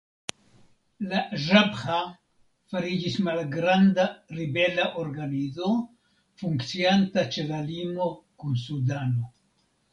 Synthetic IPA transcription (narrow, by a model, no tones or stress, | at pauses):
laʒabχa | faɾid͡ʒismalɡɾandaɾibe̞laʔo̞ɾɡanizo̞ | fuŋkt͡siantat͡ʃe̞lalimo̞kunsudano̞